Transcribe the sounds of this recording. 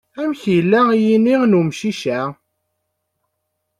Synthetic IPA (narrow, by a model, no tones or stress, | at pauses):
æmçjəlːæjininumʃiʃæ